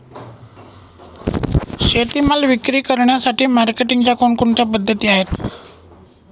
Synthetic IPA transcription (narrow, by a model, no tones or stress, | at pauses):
ɕet̪imalʋikɾiːkəɾɳjasaʈiːmaɾkeʈiŋɡt͡ɕjakoɳkoɳʈ̪japəd̪ʱːət̪iːaɦet̪